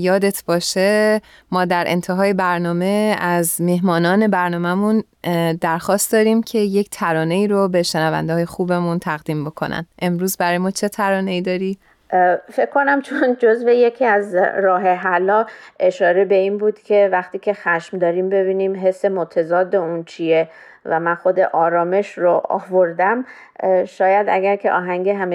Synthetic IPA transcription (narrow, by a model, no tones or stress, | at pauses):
jɒːd̪et̪ʰb̥ɒːʃe | mɒːd̪æɾʔḛnt̪ʰeɦɒːje̞bæɾnɒːme̞æzmeɦmɒːnɒːne̞bæɾnɒːmæmun | d̪æɾxɒːst̪̚d̪ɒːɾiːmcʰe̞je̞ct̪ʰæɾɒːne̞iːɾobe̞ʃenævæ̰nd̪eːje̞xuːbe̞munt̪ʰæɣd̪iːmbo̞kʰo̞̰næ̰nʔe̞mɾuːzbæɾɒːjemɒːt͡ʃʰe̞t̪ʰæɾɒːne̞iːd̪ɒːɾi | fe̞kʰkʰːo̞næmt͡ʃʰond͡ʒo̞zvejecʰiæzɾɒːɦe̞ɦælɒe̞ʃɒːɾe̞be̞iːnbuːd̪̥cʲʰe̞væxt̪iːcʰe̞xæʃmd̪ɒːɾiːmbe̞biːniːmɦe̞sːe̞mot̪ʰæzɒːd̪ːeunt͡ʃʰije | væmænxo̞d̪e̞ʔɒːɾɒːme̞ʃɾoɒ̰ːvoɾd̪æm | ʃɒːjæd̪æɡæɾkʰe̞̰ʔɒ̰ːɦæŋɡeɦæme